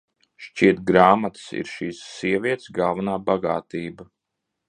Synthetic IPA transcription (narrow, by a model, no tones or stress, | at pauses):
ʃt͡ʃiɛt̪̚ɡɾaːmat̪sḭɾʃiːsːiɛvʲiɛt̪sɡalˠvanaːbaɡa̰ːt̪iːba